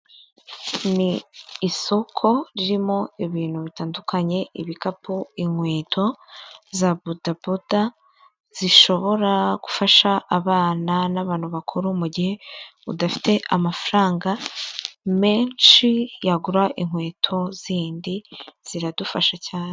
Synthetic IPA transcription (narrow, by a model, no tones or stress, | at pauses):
niːso̞kʰo̞ɾiɾimo̞iβiːn̥huβitaːndukʰaɲe̞iβikapʰuiŋ̥we̞ːtʰo̞zabudabuda | z̥iʃo̞βo̞ɾaɡu̥faʃaːβaːnanaβaːnhuβakʰuɾumuɟihe̞ṵdafi̥tʰe̞ʔamafaɾaːŋɡa | me̞ːnʃijaɡuɾaʔiŋwe̞ːtʰo̞ziːndiz̥iɾadufaʃacaːne